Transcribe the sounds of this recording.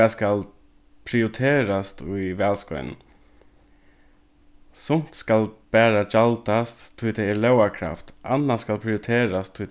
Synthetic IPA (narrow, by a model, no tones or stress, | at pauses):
askal | pʰɾɪʊt̪ʰeːɾast̪ʊjʋæːlskɔ̰ʏnn | sʊn̥t̪skalb̥æːɾad͡ʒalt̪ast̪ʰːʊjt̪ʰɛɪɛːlœwakʰɾa̰ft̪ʔa̰nːaskalpʰɾɪʊt̪ʰeːɾast̪ʰːʊt̪